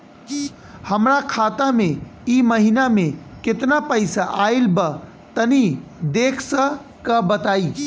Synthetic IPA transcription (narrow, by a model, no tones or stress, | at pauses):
həmɾakʰat̪ameiməɦinamekɪt̪napəɪsaʔailbə | t̪ənid̪ekʰsə̃ | kəbət̪aːi